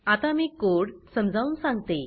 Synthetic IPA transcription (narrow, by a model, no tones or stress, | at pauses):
at̪amiːkoɽsəmd͡zʱaʋunsãŋɡt̪e